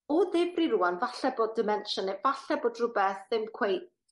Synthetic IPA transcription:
ɔðɪb̥riruanvaɬɛboːdɨmɛnʃɔnɛvaɬɛboːdrʊbɛθðɪmkʰw̥ej

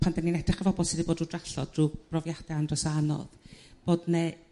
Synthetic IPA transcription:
pʰandəninɛd̥rɪχəvɔbɔlˠsɪdiboːdruːdraɬɔdruːb̥rɔvjad̥ɛandrɔsanɔ̰ðb̥oːdnɛ

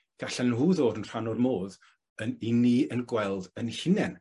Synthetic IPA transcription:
ɡ̥aɬɛnnhuːðoːɾənr̥anɔdmoːð | ənɪniənɡwɛlˠdənhɪnɛn

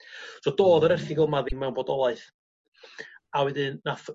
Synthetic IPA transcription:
sɔːdoːðɔɾɛrθɪɡɔlˠmaðɪnmawnboːdɔlˠaɨθ | awɛdɨnnaθ

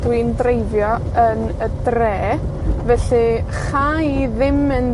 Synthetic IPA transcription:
d̥windrejvjɔ | ənədrɛː | vɛɬɨ | χajiðɪmɨn

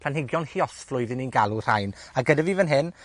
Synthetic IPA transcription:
pʰlanhɪɡjɔnhiɔsflˠʊɨðɪninɡalˠur̥ajnaɡədavivənɦɪn

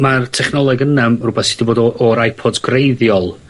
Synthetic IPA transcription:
martʰɛχnɔlˠɛɡənɛmrubɛθsɪdiboːdɔɔɾajpʰɔdɡrejðjɔlˠ

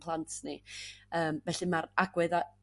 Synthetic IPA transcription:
pʰlˠantʰniəːmvɛɬɨmaɾaɡwɛða

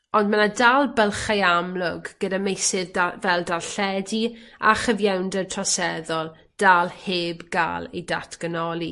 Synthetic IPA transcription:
ɔndmanadalˠbəlˠχajamlʊɡɡ̥ədamejsɪðvɛlˠdalɬɛdia̰χəvjawndətʰrɔsɛðɔlˠ | d̥aːlˠheːbɡa̰ːlˠḛjdatʰɡ̥ənɔlˠi

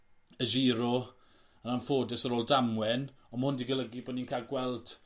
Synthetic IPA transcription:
əʒiːɾɔ | ənanfoːdɛsəɾoːlˠdamwɛn | ɔmahʊndiɡələɡiboːdninkʰaɡwɛlˠd

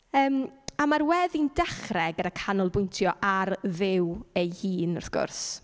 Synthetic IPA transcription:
əːmamarwɛðindɛχrɛɡəɾakʰanʊlˠbʊjntʰjɔʔarðɪwejhiːnɔrθɡ̥ʊ̰rs

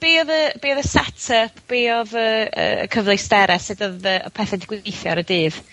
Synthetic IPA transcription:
b̥iːɔðəb̥iːɔðəsɛtʰəpʰb̥eːɔðəə̰ə̰kʰəvlˠestɛɾʔɛsɨdɔðəɔ̰pʰɛθɛdɪɡ̥wɪnejθjɔ̰ɾədɨːð̥

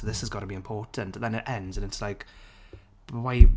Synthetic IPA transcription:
ðɪshəzɡɑɾəbiɪ̃mpʰɔːˑtə̃nt̩̪ðə̃nɪʔɛ̃ndzə̃nɪtslaɪk | waɪ

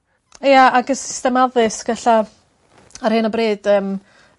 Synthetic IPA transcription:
jaaɡəsɪ̥stɛmaðɨsɡ̥ɛɬa | arhɨnabreːd̥əːm

